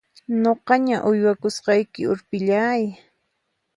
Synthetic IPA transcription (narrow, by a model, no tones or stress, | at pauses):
noqɑɲaʔʊjwakʊsqɑjkɪʊɾpɪʎaːj